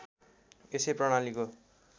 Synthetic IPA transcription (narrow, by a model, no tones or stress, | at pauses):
eseprʌɽ̃aliko